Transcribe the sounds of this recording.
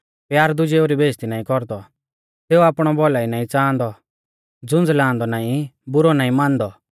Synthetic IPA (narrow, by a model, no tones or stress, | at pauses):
pjaːɾd̪ʊd͡ʒeoɾibʱeːst̪inaːĩkɔɾd̪ɔ | seːuaːpɽ̃ɔbɔlaːinaːĩt͡sãːnd̪ɔ | d͡zʊ̃nd͡zlãːnd̪ɔnaːĩbʊɾɔnaːĩmãːnd̪ɔ